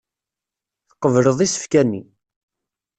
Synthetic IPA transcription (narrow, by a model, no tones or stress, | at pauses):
θə̥qːəvɾəðˤisə̥fkænːi